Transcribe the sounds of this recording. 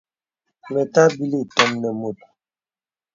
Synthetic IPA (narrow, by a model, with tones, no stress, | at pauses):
mɛ˨ta˦bi˦li˦˨tɔ˦mnɛ˨mo˨t̚